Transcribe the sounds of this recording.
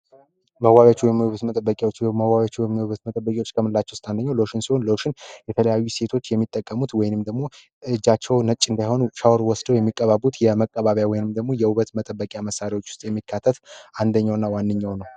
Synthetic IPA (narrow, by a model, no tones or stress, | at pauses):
məwajat͡ʃːuwɔjmːiuβət̪mət̪ʼəbːəkʼjwot͡ʃːməwaβat͡ʃːuwɔjmːuβət̪mət̪ʼəbːəkʼiwot͡ʃːkʰəmɨnlːat͡ʃːɛwʊst̪ʼand̪əɲːawloʃɪnsiho̞nloʃɪnjɛt̪ʰələjajːuse̞t̪ʰo̞t͡ʃːjɛmːit̪ʼːəkʼːəmut̪wɔjɪnɨmd̪əɡmo̞ | ɨd͡ʒːat͡ʃːɛwnət͡ʃʼːɨnd̪ajho̞nuʃawɾwɔsd̪əwjɛmːikʼːəβabut̪jɛməkʼːəβaβjawɔjɪnɨmd̪əɡmo̞jɛuβət̪mət̪ʼəbːəkʼjaməsːaɾawo̞t͡ʃːwʊ̥st̪ʼjɛmːikʰːat̪ʰːət̪and̪əɲːawnːawanːɨɲːawnəw